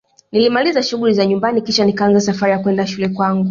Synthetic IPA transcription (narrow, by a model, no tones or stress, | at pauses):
nilimalizaʃuɠulizaɲumbanikiʃanikaanzasafaɾijakwɛndaʃulɛkwaŋɡu